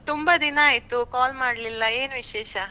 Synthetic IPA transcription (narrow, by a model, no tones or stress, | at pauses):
t̪umbɐd̪inɐaːjt̪ukaːlmaːɽlilːɐeːnuʋiʃɛːʃɐ